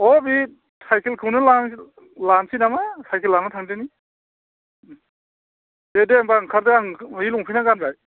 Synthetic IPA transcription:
ɔbi | tʰajkʰelkʰɯwnɯlaŋ | lansinamatʰajkʰelːaŋnɯtʰaŋdeni | dedeambaːŋkʰaɾdeaŋiluŋpʰinaɡanzaj

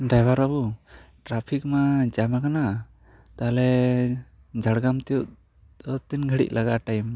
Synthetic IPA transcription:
ɖajbaɾabuʈɾapʰik̚mad͡ʒamakana | t̪alɛ | d͡ʒʱaɽɡamt̪ɛjuʔ | ɔt̪inɡʱəɽḭc̚lʔaɡaʈajm

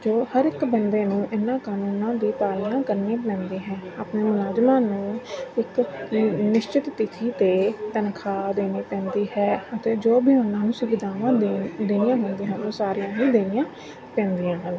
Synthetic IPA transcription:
d͡ʒoːhəɾɪkbənd̪eːnũːʔɪnːãːkaːnuːnãːd̪iːpaːlnaːkəɾneːpɛ̃ːnd̪iːɦɛ̃ːaːpneːmʊlaːzmãːnũːɪk | nɪʃt͡ʃɪt̪ːɪt̪ʰiːt̪eːt̪ənkʰaːd̪eːneːpɛ̃ːnd̪iːɦɛːət̪eːd͡ʒoːbʱiːɦʊnãːnũːsʊʋɪd̪aːʋãːd̪eːnĩjãːɦʊ̃ːnd̪iːɦãːt̪õːsaːɾijãːɦiːd̪eːnɪjãː | pɛ̃ːnd̪ijãːɦə̃ː

